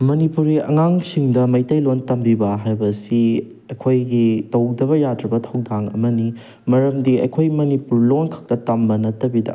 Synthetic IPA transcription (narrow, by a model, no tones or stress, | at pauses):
mɐnipuɾiʔɐ̰ŋaŋsiŋdɐmɐjtɐjlontɐmbibɐɦajbɐsi | ɐjkʰojɡitɐwdɐβɐjadɾɐbɐtʰɐwdaŋɐ̰mɐni | mɐɾɐmdiɐ̰jkʰojmɐnipuɾlonkʰɐ̥k̚tɐtɐmbɐnɐtːɐbidɐ̰